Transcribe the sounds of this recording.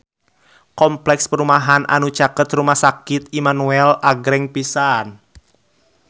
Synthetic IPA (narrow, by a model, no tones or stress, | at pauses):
kɔmplɛkspəɾumaɦanʔa̰nut͡ʃakət̪rumahsakɪt̪̚imanuɛlaɡɾɛŋpisan